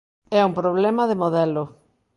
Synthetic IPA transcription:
ɛumpɾoβ̞lɛmɐðɪmoðɛlʊ

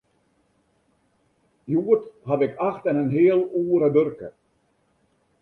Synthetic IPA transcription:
juːətɦaʋɪkaxtɛnənɦeəlˠuːəɾəbørkə̰

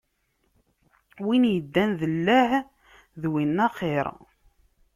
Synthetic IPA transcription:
winjəd̪ːænðəlːæh | ðwinːæχeɾˤ

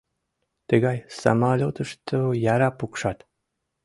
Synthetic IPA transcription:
t̪ɨɡɑjsɑ̰mɑlʲot̪əʃt̪ʰojɑɾɑpukʃɑt̪

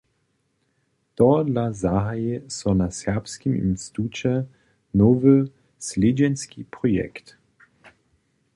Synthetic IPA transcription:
t̪ɔdlazaɦajɛsɔnasɛpskimḭmst̪ut͡ʃɛ | novə | sled͡ʑɛnskipʁɔjɛ̰kt̪

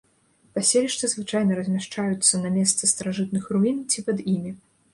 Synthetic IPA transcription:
pasʲelʲiʂt̪ɐzvɨt͡ʂajnɐɾɐzʲmʲaʂt͡ʂajut̪sːɐnɐmʲɛst̪sɐst̪ɐɾaʐɨt̪̚nɨxruint͡sʲipɐd̪imʲi

